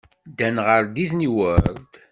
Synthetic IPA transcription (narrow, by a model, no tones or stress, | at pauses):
d̪ænʁəɾd̪izniwəɾd̪